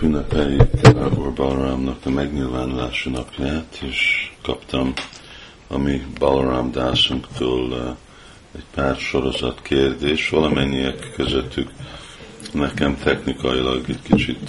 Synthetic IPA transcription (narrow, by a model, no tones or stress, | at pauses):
bynːɛpɛljykɒorbɒlramnɒkɒmɛɡɲilvaːnulaːʃunɒpʰjaːt̪ʰeːʃkɒpt̪ɒm | ɒmibɒlramd̪aːsuŋkt̪ʰoːl | ɛɟpaːrʃo̞ɾo̞zɒt̪kʰeːrd̪eːʃvɒlɒmɛɲːijɛkːøzøt̪ːyk | nɛkɛmt̪ʰɛxnikɒilɒɡɛckit͡ʃit̪